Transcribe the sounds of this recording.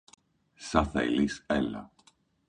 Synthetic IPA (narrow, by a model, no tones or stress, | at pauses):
sɐθɐ̰ḭliselɐ̰